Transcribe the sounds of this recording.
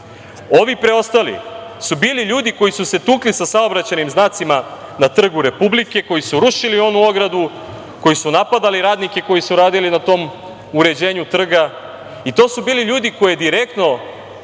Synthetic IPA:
o̞ʋipɾe̞o̞st̪alḭsubiːliʎuːd̪iko̞jisuse̞t̪uːklisasao̞bɾat͡ɕanimznaːt̪simanat̪r̩ɡuɾe̞publike̞ko̞jisuɾuʃilio̞nuo̞ɡɾad̪u | ko̞jisunapad̪aliɾaːd̪nike̞ko̞jisuɾaːd̪ilinat̪o̞ːm | uɾe̞d͡ʑe̞ːɲut̪r̩ɡa | it̪o̞ːsubiːliʎuːd̪iko̞jed̪iɾe̞k̚t̪no̞

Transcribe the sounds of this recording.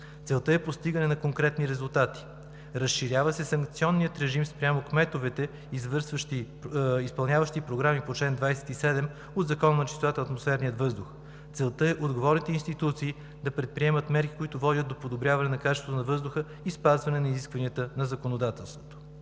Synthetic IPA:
t̪sɛlˠt̪əɛpost̪iɡənɛnɐkoŋkɾɛt̪niɾɛzulˠt̪at̪i̥ | ɾəsʃiɾʲavəsɛsɐŋkt̪siɔnːiət̪ɾɛʒimspɾʲamokmɛt̪ovɛt̪ɛ | izvəɾsvəʃt̪i | ispɐlˠnʲjavəʃt̪ipɾoɡɾamipot͡ʃlɛnd̪vajsɛ̥t̪isɛd̪ɛm | od̪zɐkɔnənɐt͡ʃi̥sot̪at̪əɐt̪mosfɛɾnijət̪vɤzd̪ʊx | t̪sɛlˠt̪əɛʔod̪ɡovɔɾnit̪ɛinst̪it̪ut̪siː | d̪ɐpɾɛt̪̚pɾiɛmət̪mɛɾki̥koit̪ʊvɔdʲət̪̚d̪opod̪obɾʲjavɐnɛnɐkat͡ʃɛsvot̪nɐvɤzd̪ʊxə | ispazvɐnɛnɐiziskvɐniət̪ənɐzɐkonod̪at̪ɛlˠst̪vot̪o̥

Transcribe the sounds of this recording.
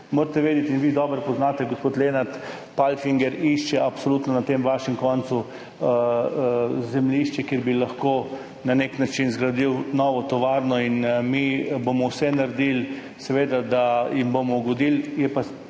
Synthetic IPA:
moɾt̪ɛʋeːd̪jɛt̪inʋiːd̪ɔːbɾpɔznaːt̪ɛɡospoːt̪leːnaɾt̪ | palfiŋɡɛɾiʃt͡ʃɛapsoluːt̪nɔnat̪emʋaːʃɛmkɔnt̪su | zɛmlʲiʃt͡ʃɛkeɾbilɐxko | naneknat͡ʃinzɡɾad̪iwnɔːʋɔt̪ɔʋaɾnɔinmibomɔwsɛnaɾd̪il | sɛʋeːd̪ad̪ajimbomɔɡɔd̪iljɛpa

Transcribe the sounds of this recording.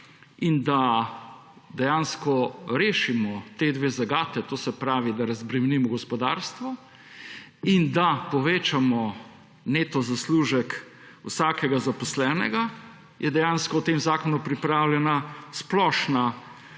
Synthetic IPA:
ind̪a | d̪ɛjanskɔɾeːʃimɔt̪eːd̪ʋeːzaɡaːt̪ɛt̪oːsɛpɾaːʋid̪aɾɐzbɾɛmnimɔɡɔspɔd̪aɾst̪ʋɔ | ind̪apɔʋeːt͡ʃamɔ | net̪ɔzasluʒɛk | wsaːkɛɡazapɔslɛːnɛ̰ɡa | jʔɛd̪ɛjanskɔwt̪emzaːkɔnupɾipɾawlʲɛnasplɔʃna

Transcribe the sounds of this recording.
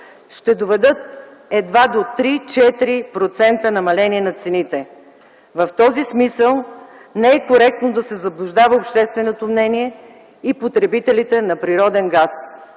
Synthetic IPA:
ʃt̪ɛd̪ovɛd̪ɤt̪̚ | ɛd̪vad̪ot̪ɾit͡ʃɛt̪iɾipɾot̪sɛnt̪ənɐmɐlɛniɛnɐt̪sɛnit̪ɛ | vɐft̪ɔzismisəlˠ | nɛɛkoɾɛk̚t̪nod̪ɐsɛzɐblˠuʒd̪avəopʃt̪ɛst̪vɛnot̪omnɛniɛ | ipot̪ɾɛbit̪ɛlit̪ɛnɐpɾiɾɔd̪ɛnɡas

